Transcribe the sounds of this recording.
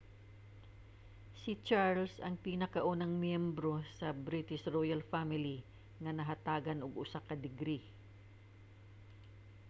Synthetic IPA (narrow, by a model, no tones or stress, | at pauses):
sɪt͡ʃaɹlsɐŋpinɐkɐʔunɐŋmjɛmbɾo̞sɐbɾit̪ɪʃɹojalfamɪli | ŋɐnɐɦɐt̪aːɡɐnʊɡʊsakɐd̪ɪɡɾi